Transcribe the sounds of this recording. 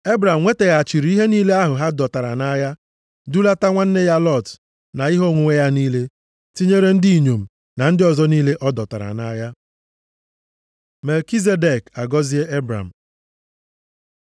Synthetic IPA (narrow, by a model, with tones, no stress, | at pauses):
e˦bɾa˨m̩˨ŋʷe˦te˨ɣa˨a˨t͡ʃi˨ɾi˨i˦ɦe˦niː˦le˦a˦ɦʊ˨ɦa˦dɔ˨ta˨ɾa̰˨na˦ja˦ | du˦la˦ta˦ŋʷa˦n̩˦ne˦ja˦lɔ˦˨t | na˨i˦ɦo˦˨ŋʷu˨ŋʷe˦ja˦niː˦le˦ | ti˦ɲe˦ɾe˦n̩˦di˦i˨ɲo˨m̩˨ | na˨n̩˦dɪ˦ɔ˨zɔ˦niː˦le˦ʔɔ˦dɔ˨ta˨ɾa̰˨na˦ja˦ | me˨lki˦z̬e˦de˨ka˨ɡɔ˦zi˦e˦e˦bɾa̰˨m̩˨